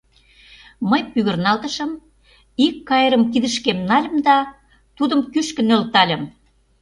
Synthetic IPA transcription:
məjpyɣə̆rnɑlt̪ə̆ʃə̆m | ikːɑjəɾəmkid̪ə̆ʃkemnɑlʲə̆md̪ɑ | t̪ud̪ə̆mkyʃkə̆nølt̪ɑlʲə̆m

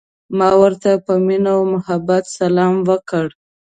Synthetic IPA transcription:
mɑwəɾt̪apəminawmʊhabat̪salɑmwəkəɽ

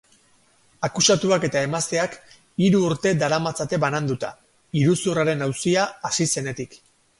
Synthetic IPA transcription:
akusat̪uake̞t̪ae̞mast̪e̞ak | iɾuːɾt̪e̞d̪aɾamat͡sat̪e̞βanand̪ut̪a̰ | iɾusuraɾe̞nawsiaːsise̞ne̞t̪ik

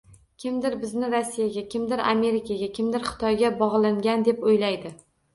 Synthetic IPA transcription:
kʲʰɪmd̪ɪɾbɪznɪɾasːijaɡʲakʲʰɪmd̪ɪɾa̰me̞ɾikʰaɡʲakʲʰɪmd̪ɪɾχɪ̥t̪ʰɒjɡʲabɒʁlˠaŋɡʲand̪e̞pojlajd̪ɪ

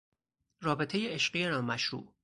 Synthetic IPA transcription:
rɒːbe̞t̪ʰe̞jeeʃɢijenɒːmæʃɾṵːʔ

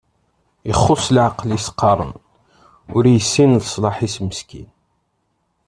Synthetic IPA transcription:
iχːʊslʕaqlisqːɑɾˤə̰n | ʊɾjəsːinləsˤlɑħisməskḭn

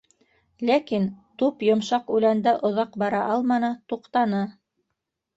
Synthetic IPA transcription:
lækint̪upjŏmʃɑqʉlænd̪æʔŏðɑqbɑɾɑʔɑlˠmɑnɤt̪uqt̪ɑnɤ

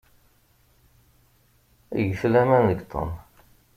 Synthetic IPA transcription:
jəʃlæmænðəɡt̪ˤʰə̰n

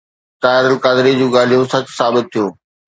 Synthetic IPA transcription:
t̪aːɪɾəlkaːd̪ɪɾid͡ʑuːɡaːl̤ijõsɐksaːbɪt̪̚ʰːijoː

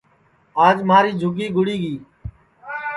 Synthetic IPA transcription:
aːd͡ʒməaːɾiːd͡ʒʱʊɡiːɡʊɽiːɡiː

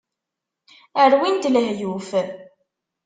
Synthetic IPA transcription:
əɾwint̪ləɦjuf

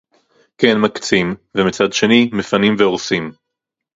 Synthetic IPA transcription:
kenmakt͡simvemit͡sad̪ʃe̞nimefanimveoʁsim

